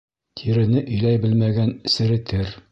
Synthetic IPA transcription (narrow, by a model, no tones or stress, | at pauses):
t̪ʰiɾɘ̆nɘʔɵ̆jlæjbɘlmæɡænɘsɘ̆ɾɘ̆t̪ʰɘɾ